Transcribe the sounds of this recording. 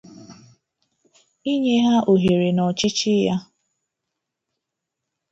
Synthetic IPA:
i˦ɲe˦ɦa˦ʔo˨ɦe˨ɾe˨nɔ˨t͡ʃi˦t͡ʃi˦ja˦

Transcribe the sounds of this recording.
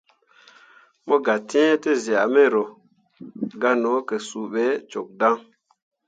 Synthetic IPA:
mo˦ɡa˨ti˦e˦te˦zi˨a˨me˦ɾo˨ | ɡa˦no˨˦kə˨su˨ɓe˨˦t͡ʃo˨k̚da˦ŋ

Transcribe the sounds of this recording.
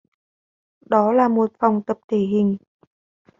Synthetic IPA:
ɗɔ˨˦laː˨˩mo˨˩t̚fa˨˩wŋ͡mt̪ə˨˩p̚t̪ʰe˧˩ɦï˨˩ŋ̟

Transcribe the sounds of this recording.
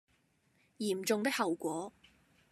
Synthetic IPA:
jiː˨˩mt͡sʊ˨˧ŋt̪ɪ˥k̚hɐ˨wkʷɔː˨˥

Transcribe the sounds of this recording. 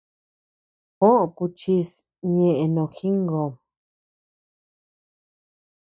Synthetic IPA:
hõ˦ʔõ˧ku˧t͡ʃi˧˦s | ɲẽ˧ʔẽ˧nõ˧˨xi˦ŋɡo˨

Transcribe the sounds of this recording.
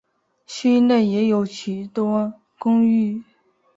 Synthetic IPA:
ɕy˥ne˥˩jɛ˧˥jo˧˥ʊt͡ɕʰy˨˧˥t̪wɔ˥ | kʊ˥ŋy˥˩

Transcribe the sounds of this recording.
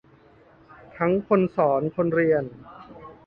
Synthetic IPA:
t̪ʰa˦˥ŋkʰo˧nsɔː˩˦nkʰo˧nɾi˧ən

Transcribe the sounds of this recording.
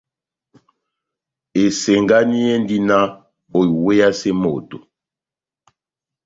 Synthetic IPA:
e˨se˨ŋɡa˦ni˦jɛ˦ndi˦na˦ | o˨i˨we˦ja˦se˦mo˨to˨

